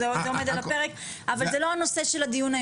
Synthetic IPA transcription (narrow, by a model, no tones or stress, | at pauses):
zeo̞me̞d̪alape̞ʁek | avalzelo̞ano̞se̞ʃelad̪ijunaj